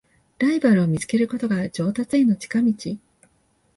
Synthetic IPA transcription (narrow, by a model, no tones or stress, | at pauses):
ɾaibaɾɯ̟o̞mʲit͡sɨ̥ke̞ɾɯ̟ko̞t̪o̞ɡad͡ʑo̞ːt̪at͡sɨeno̞t͡ɕi̥kamʲit͡ɕi